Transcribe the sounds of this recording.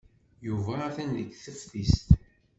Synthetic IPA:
juvæθændəkːθəfθist̪

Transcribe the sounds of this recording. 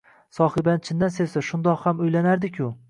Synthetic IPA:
sɒhɪbant͡ʃʰɪnd̪ansesaʃʊnd̪ɒqhamʊjlanaɾd̪ɪkʲʰʊ

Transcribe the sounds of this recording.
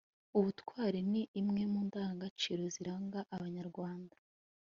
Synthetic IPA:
uβutkwaːɾeniʔːmŋe̞muːndaːŋɡat͡ʃiɾo̞ziɾaːŋɡaʔaβaɲaɾɡwaːndḁ

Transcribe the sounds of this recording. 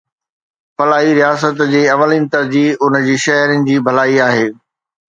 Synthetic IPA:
fɐlaːiɾijaːsət̪d͡ʑeːɐʋəlinɪ̆t̪ɐɾd͡ʑiːʊnd͡ʑiːʃɐɦɾənɪ̆d͡ʑiːbʱɐlaːiaːɦeː

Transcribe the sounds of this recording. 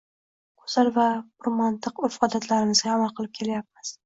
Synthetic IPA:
qʰʊ̥zaɾvabʊɾmant̪ʰɨqofɒd̪at̪ʰlaɾɪmɪzɡʲaːmalˠqʰɨlˠɪp̚kʲʰe̞lajap̚mɪz̥

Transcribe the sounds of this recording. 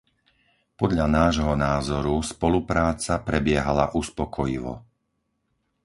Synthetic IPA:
pɔd̪ʎanaːʒɦɔnaːzɔɾuspɔlupɾaːt͡sapɾɛbɪɛɦala̰ʔuspɔkʰɔjiʋɔ̰

